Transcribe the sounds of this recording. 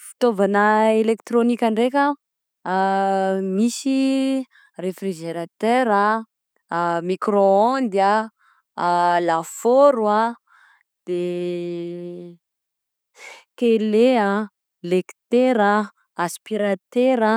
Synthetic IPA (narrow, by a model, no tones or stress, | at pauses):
fi̥t̪ovanəelekt̪ɾonikʲaɳɖ͡ʐekʲa | misi | refriʒeɾat̪øɾa | mikroand̪a | lafoɾua | d̪̥e | kelea | lekt̪eɾa | aspiɾat̪eɾa